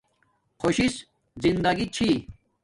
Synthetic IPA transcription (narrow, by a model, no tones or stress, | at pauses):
kʰoɕis | zind̪ɐɡit͡ɕʰi